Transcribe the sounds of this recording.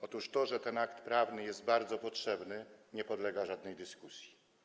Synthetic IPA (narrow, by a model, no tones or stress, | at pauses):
ɔt̪uʂt̪ɔʐɛt̪ɛnakt̪pɾavnɘjɛst̪̚baɾd̪zɔpɔtʂɛbnɘɲɛpɔd̪lɛɡaʐad̪nɛjd̪ɘskusʲji̥